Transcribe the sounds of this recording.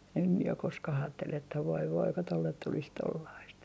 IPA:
em mie ok koskɑh ɑːtːel etːæ ʋoi ʋoi ko tolːet tulis tolːɑist

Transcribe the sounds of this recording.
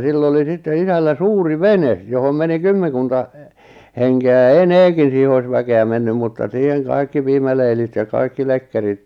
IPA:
silː oli sitːe isælːæ suːri ʋenes johom meni kymːeŋ̆kuntɑ henkeæ jɑ eneːkin̞ siːhe ois ʋækeæ menːym mutːɑ siːheŋ kɑikːi piːmæleilit jɑ kɑikːi lekːerit

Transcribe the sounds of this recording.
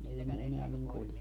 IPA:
ei ne eneæ niŋ kulje

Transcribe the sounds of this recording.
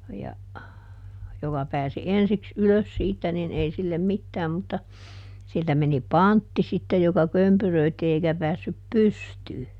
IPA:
jɑ jokɑ pæːsi ensiks yløs siːtːæ nin ei silːem mitːæːm mutːɑ siltæ meni pɑntːi sitːej jokɑ kømpyrøitːi eikæ pæːsːyp pystyː

